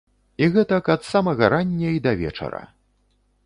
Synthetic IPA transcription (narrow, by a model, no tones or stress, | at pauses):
iɣɛt̪ɐkɐt̪samɐɣɐɾanʲːɐid̪ɐvʲɛ̰t͡ʂɐ̰ɾɐ̰